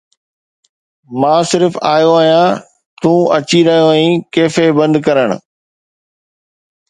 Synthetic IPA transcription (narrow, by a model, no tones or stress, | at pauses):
mãːsɪɾfaːjoaːɦijã | t̪ũːɐt͡ɕiɾɐɦijoɛ̃keːfebɐ̃nd̪kɐɾəɽ̃ʊ̰